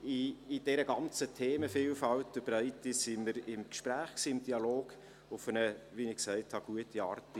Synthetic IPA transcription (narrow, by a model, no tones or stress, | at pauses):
iːd̥ɛɾəɡɑnt͡sətʰeːməfiːlfɑwtəb̥ɾœɪtisiməɾɪmkʃpɾæːχksiːɪmd̥iɑloːɡ̥ | ʊfənəʋinɪksɛɪthɑɡ̥uətiɑːrtɪ